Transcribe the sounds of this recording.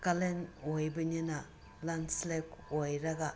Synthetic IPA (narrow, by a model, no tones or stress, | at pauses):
kalenojbɯɲina | lanslekojɾɐɡa